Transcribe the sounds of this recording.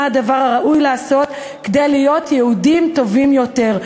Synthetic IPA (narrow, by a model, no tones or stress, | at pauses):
ad̪avaʁaʁaʔujleasot̪ | ked̪ejlijot̪jɛud̪imt̪ovimjot̪eʁ